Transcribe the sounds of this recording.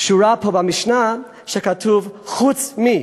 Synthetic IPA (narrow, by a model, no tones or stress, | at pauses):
kʃuɾapobamiʃna | ʃɛkatʰuvχut͡smi